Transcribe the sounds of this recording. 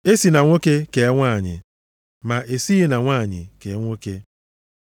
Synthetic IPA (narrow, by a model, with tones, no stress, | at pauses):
e˦si˨na˨ŋʷo˦ke˦ke˨˦ŋʷaː˦˨ɲɪ̰˨ | ma˨ʔe˨si˦i˦na˨ŋʷa˦˨ɲɪ̰˨ke˨˦ŋʷo˦ke˦